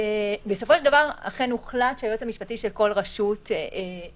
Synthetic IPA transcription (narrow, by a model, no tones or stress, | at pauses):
ebeso̞foʃedavaʁa̰χenuχlatʃeajot͡samiʃpatiʃelko̞lʁaʃute